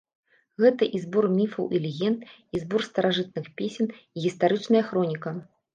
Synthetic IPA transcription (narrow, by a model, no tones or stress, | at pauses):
ɣɛt̪ɐʔizbɔrmʲifɐwʔilʲiɣʲɛnt̪izbɔrst̪ɐɾaʐɨt̪̚nɨxpʲesʲɛniɣʲist̪aɾɨt͡ʂnɐjɐxɾɔnʲikɐ